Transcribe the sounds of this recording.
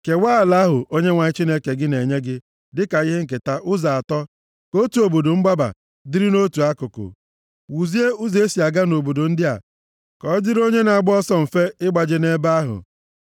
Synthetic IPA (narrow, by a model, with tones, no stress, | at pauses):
ke˨waː˦˨la˦ɦʊ˨ʔo˦ɲe˦ŋʷa˨ɲɪ˦t͡ʃi˦ne˦ke˨ɡɪ˦ne˨ɲe˦ɡɪ˦ | dɪ˦ka˨ɣɪ˦ɦe˦ŋ̩˨k̬e˨ta˦ʔʊ˦za˨a˨tɔ˦ | ko˦tu˨o˨bo˨do˨ŋ͡m̩˦ɡ͡ba˦ba̰˨ | dɪ˦ɾɪ˦no˦tu˨a˦kʊ˨kʊ̰˨ | wu˨zi˦e˦ʊ˦ze˦si˨a˨ɡa˦no˨bo˨do˨n̩˦dɪ˦a̰˨ | kɔ˨˦d͡ʒɪ˦ɾo˦ɲe˦na˨a˨ɡ͡bɔ˦sɔ˦m̩˨fe˦ɪ˦ɡ͡ba˨d͡ʒɪ˨ne˦ba˦ɦʊ̰˨